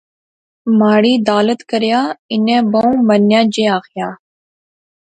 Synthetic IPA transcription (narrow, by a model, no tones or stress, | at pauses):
maːɽiːd̪aːlət̪kəɾjaːɪnɛ̃ːbəũːmənjãːd͡ʒeːaːxɪjaː